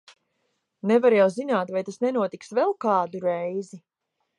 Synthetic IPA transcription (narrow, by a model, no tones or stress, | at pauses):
nɛvaɾjawzinaːt̪vajt̪asnɛnuɔt̪iksvɛlˠkaːd̪uɾɛjzi